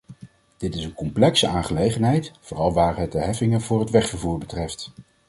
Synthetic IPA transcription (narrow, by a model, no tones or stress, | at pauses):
d̥ɪtɪsənkɔmplɛksəʔaːnχəlejχənɦɛjtfʊːrɑlˠʋaːɹɦət̚dəɦɛfɪŋənvʊːrɦətʋɛχfəɹvuːɹbətrɛft